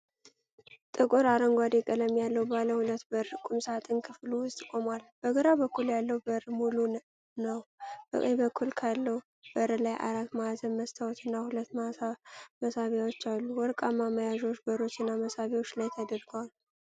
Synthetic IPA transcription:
t̪ʼɨkʼoɾaɾəŋɡʷad̪ekʼələmjalːəwbaləhulət̪ːbəɾkʼumsəat̪ʼɨnkʰɨfluwʊst̪ʼkʼo̞mwalb̥əɡəɾabəkʰːuljalːəwbəɾmulu | nəwb̥ə̰kʼəjbəkʰːulkʰalːəw | b̥əɾəlajʔa̰ɾat̪mazənməst̪ʰawɔt̪ːɨnːahulət̪ː | məsaβjawot͡ʃːalːuwɔɾkʼamaməjaʒo̞t͡ʃːbəɾo̞t͡ʃːɨnːaməsaβjawot͡ʃːlajt̪ʰəd̪əɾɡəwalu

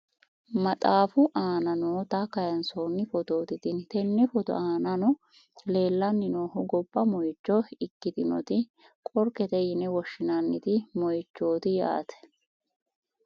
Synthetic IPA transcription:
mɐt̪ʼaːfʊʔaːnɐnoːt̪ɐkɐjɐnsoːnːɪfɔt̪o̞ːt̪ɪt̪ɪnt̪ɛnːɛfɔt̪ɔ̰ʔaːnɐnɔ | le̞ːlːɐnːɪnoːhʊɡɔbːɐmɔjt͡ʃːɔɪkːɪt̪ɪnɔ̰t̪ɪ | kʼɔɾkɛt̪ɛjɪnɛwɔʃːɪnɐnːɪt̪ɪmɔjt͡ʃːoːt̪ɪja̰ːt̪ɛ̥

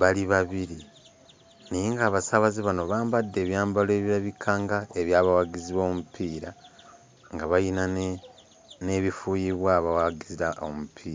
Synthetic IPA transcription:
βaliβaβiɾi | niŋɡaːβasaβaziβano̞βaːmbadːe̞ːβjaːmbale̞ːβjaβikʰaːŋɡae̞βjaːβawaɡiziβo̞ːmupʰiːɾa | ŋɡaβajinan | ne̞βifujiβwaːβawaɡiziɾaomupʰiːɾa

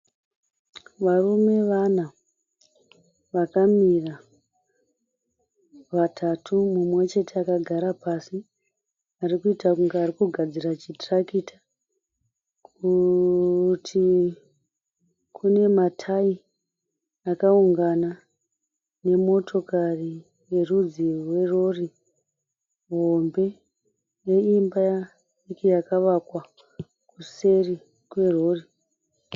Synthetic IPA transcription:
ʋarume̞ʋana | ʋakamira | ʋatʰatʰumumwe̞t͡ʃe̞tʰeakaɡʱaɾapasi | arikuitakuŋɡeaːɾikuɡʱad͡zirat͡ʃitrakitḁ | ku | tʰi | kʰune̞matʰai | akauŋɡana | ne̞mo̞tʰo̞kari | je̞rud͡zirwe̞ro̞ri | ɦo̞mbe̞ | je̞imbaja | ikijakaʋakwa | kuse̞ri | kwe̞ro̞ːri

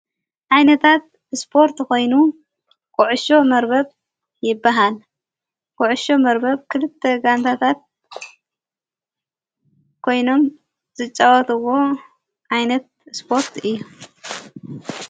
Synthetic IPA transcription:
ʔajnɐt̪ʰat̪̚ | spʰo̞ɾt̪ko̞jnu | kʼʊʕʊʃo̞mɐɾbɐβ | jɪbːaɦal | kʼʊʕʊʃo̞mɐɾbɐβkʰɨlɨt̪ʰːeɡant̪ʰat̪ʰat̪̚ | kʰo̞jno̞m | z̥ɨt͡ʃʼːɐwɐt̪ʰɨwo̞ | ʔajnɐt̪̚spʰo̞ɾt̪ʰɨjːu

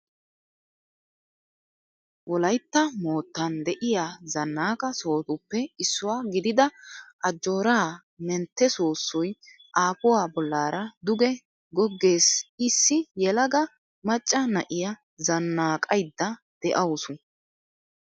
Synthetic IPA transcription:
wɔlɐjt̪ːɐmo̞ːt̪ːɐnd̪ɛʔɪjaːzɐnːaːkʼɐso̞ːt̪ʊpːɛɪsːʊwaːɡɪd̪ɪd̪ɐʔɐd͡ʒːo̞ːɾaː | mɛnt̪ːɛsoːsːɔj | ʔaːpʊwaːbɔlːaːɾɐd̪ʊɡɛ | ɡɔɡːe̞ːsɪsːɪjɛlɐɡɐ | mɐt͡ʃʼːɐnɐʔɪja | zɐnːaːkʼɐjd̪ːɐ | d̪̥ɛʔɐwsʊn

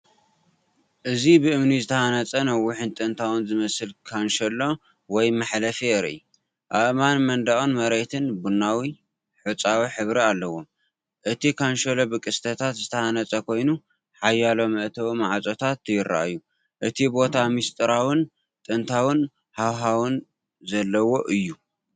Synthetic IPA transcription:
ʔɨzibɨɨmnizɨt̪ʰɐhanɐt͡sʼɐnɐwːʊħɨnt̪ʼɨnt̪ʰawɨnzɨmɐsɨlkʰanʃɐlo | wɔjmaħlɐfeɾḭ | ʔaβmanmɐnd̪aʔunmɐɾet̪ʰɨnbunːawi | ħɨt͡sʼawiħɨβɾialːɐwom | ʔɨt̪ʰikʰanʃɐlobɨkʼɨst̪ʰɐt̪ʰat̪zɨt̪ʰɐhanɐt͡sʼɐkʰo̞jnu | ħajːalo̞mɨʔt̪ʰɐwimaʕat͡sʼot̪ʰat̪jɪɾːa̰ʔju | ʔɨt̪ʰibo̞t̪ʰamist̪ʼɨɾawɨn | t̪ʼɨnt̪ʰawɨn | hawɦawɨn | zɐlːɐwo̞ʔɨjːu

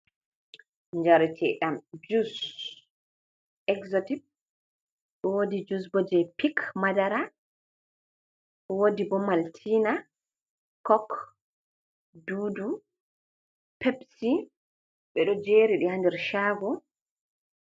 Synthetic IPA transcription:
ɲd͡ʒaɾitʰɛɗamd͡ʒus | ɛkzotip̚ | ɗɔwodid͡ʒus̬bɔd͡ʒɛpikmadaɾa | wodibɔmaltʰiːna | kɔk | dudu | pʰɛpsi | ɓɛɗɔd͡ʒeɾiɗihandɛɾʃaːɡɔ

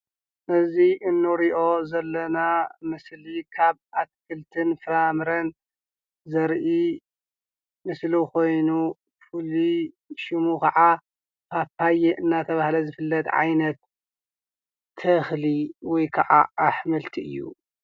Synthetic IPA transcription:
ʔɨziʔɨnːuɾiʔo̞zɐlːɐnamɨslikʰaβat̪̚kʰɨlt̪ʰɨnfɨɾamɾɐn | zɐɾʔi | mɨsluko̞jnu | fɨli | ʃimukɐʕa | pʰapajeʔɨnːat̪ʰɐβahlɐzɨfɨlːɐt̪ʕa̰jnɐt̪ | ɐxliwɔjkʰɐʕa̰aħmɨlt̪ʰiɨ̰jːṵ

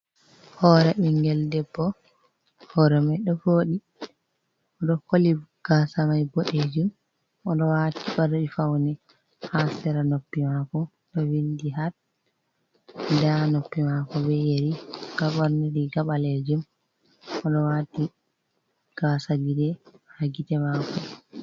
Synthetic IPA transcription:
hɔːɾɛʔiŋɡɛldɛbːɔ | hɔɾɛmajɗɔfoːɗi | ɔɗɔkoliɡ̥asamajboɗed͡ʒum | ɔɗɔwaːtiɓaɾɗifawnɛ | hasɛɾanopːimakɔ | ɗɔwindiɦat | danopːimakɔbɛjeɾiɡ̥aɓaɾniɾiɡaɓaled͡ʒum | ɔɗɔwaːti | ɡ̥asad͡ʒidɛhaɡitɛmakɔ

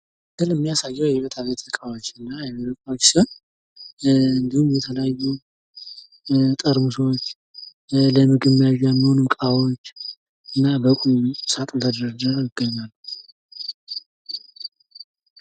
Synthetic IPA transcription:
d̪ɨlɨmːijasajːɛwjɛβet̪ʰaβet̪ʰlɨkʼawot͡ʃːɨnːajɛmləkʼat͡ʃsion | ɨnd̪ihumjɛt̪ʰələjajːu | t̪ʼəɾmusowt͡ʃː | ləmɨɡɨmːijaʒjɛmːiho̞numkʼawot͡ʃː | ɨnːabəkʼusat̪ʼt̪ʰəd̪əɾɾəd̪əɾjɪɡːəɲːal

